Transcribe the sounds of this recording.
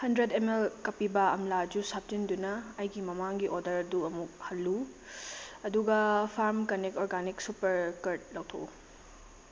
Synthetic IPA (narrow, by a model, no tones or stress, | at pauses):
hɐndɾedemelkɐpibɐɐmlad͡ʒusap̚d͡ʒindunɐɐjɡimɐmaŋɡiʔodɐɾɐduɐmuk̚hɐlːu | ɐduɡɐpʰaɾmkɐnekoɾɡaniksupɐɾkɐɾt̚lɐwt̪ʰo̰u